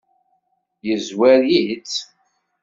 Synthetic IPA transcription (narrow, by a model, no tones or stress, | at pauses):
jəzwæɾjit͡sː